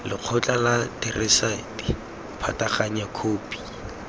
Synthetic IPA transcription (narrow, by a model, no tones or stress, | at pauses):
lɪq͡χʰʊt͡ɬʼalatɛrʔɛsaiti | pʰataχaɲakʰoːpʼi̥